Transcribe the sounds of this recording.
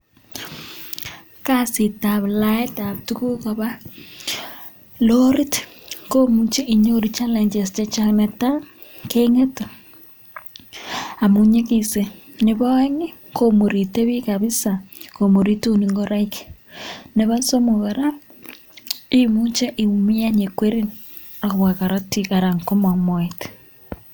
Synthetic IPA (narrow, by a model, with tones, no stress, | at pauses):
ka˦sɪ˨ta˨bla˦ɛ˦ta˨p̚tu˦ku˦ko˨ba˦ | lo˦ɾi˦t | ko˦mu˦t͡ʃe˦ʔi˨ɲo˦ɾi˨t͡ʃa˦lɛ˨ɲd͡ʒe˨st͡ʃɛ˦t͡ʃa˦nɛ˨ta˦ | ke˦ŋe˦t | a˨mu˨ɲe˦kise˨ | neβa˦e˦ŋe˦ | komo˨ɾi˨te˦βi˦kaβi˦sako˨mo˨ɾi˦tu˦niŋɡo˦ɾa˦ik | ne˨βa˦so˦mo˨ɣeɾa˦ | i˦mu˦t͡ʃe˦ʔi˨mi˦a˦ne˨kwe˦ɾi˦n | na˨βwa˨ka˨ɾo˦ti˨ka˨ɾa˨ŋko˦ma˨moet